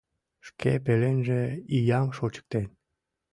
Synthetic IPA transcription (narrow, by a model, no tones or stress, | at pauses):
ʃkʰḛp̬elenʒeijɑmʃot͡ɕə̥k̚t̪en